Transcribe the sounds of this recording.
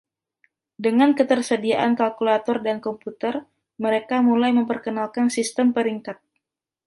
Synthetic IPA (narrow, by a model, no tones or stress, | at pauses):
dəŋankət̪ərsədiaʔankalkulat̪ɔrdankɔmput̪ər | məɾekamulajməmpərkənalkansist̪əmpəɾiŋkat̪̚